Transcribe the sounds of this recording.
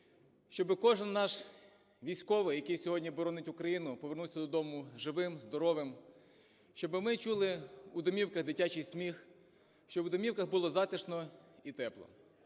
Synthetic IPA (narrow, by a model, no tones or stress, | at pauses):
ʃt͡ʃɔbɪkɔʒɪnːɑʃ | ʋʲijsʲkɔʋɪjɐkɪjsʲɔɦɔdʲnʲibɔɾɔnɪtʲʊkɾɐjinʊpɔʋernuwsʲɐd̪ɔd̪ɔmʊʒɪʋɪmzd̪ɔɾɔʋɪm | ʃt͡ʃɔbɪmɪt͡ʃulˠɪud̪ɔmʲiwkɐɣd̪ɪtʲat͡ʃɪjsʲmʲix | ʃt͡ʃɔʋʊd̪ɔmʲiwkɐɣbʊlˠɔzɑt̪ɪʃnɔit̪ɛplˠɔ̰